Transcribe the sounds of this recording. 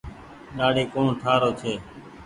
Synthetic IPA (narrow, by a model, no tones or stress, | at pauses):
ɗaːɽeːkoːɳʈʰaːɾoːt͡ʃʰeː